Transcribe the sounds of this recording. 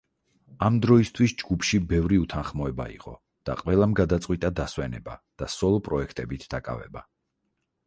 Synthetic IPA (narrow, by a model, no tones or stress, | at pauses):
amd̪ɾɔist̪ʰwisd͡ʒɡupʰʃibɛvɾiut̪ʰanχmɔɛba̰ḭqʼɔ̰ | d̪̥a̰qʼwɛlˠamɡad̪at̪sʼqʼwit̪ʼad̪aswɛnɛba̰d̪̥asɔlˠɔpʼɾɔɛkʰt̪ʼɛbit̪ʰd̪akʼa̰vɛ̰ba